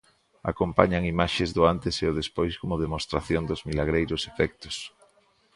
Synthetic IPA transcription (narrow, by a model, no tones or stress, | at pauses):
a̰kompaɲaŋimaʃezðʊant̪eseʊðespojskomʊðemost̪ɾaθjond̪ʊzmilaɣɾejɾʊsefɛk̚t̪ʊ̥s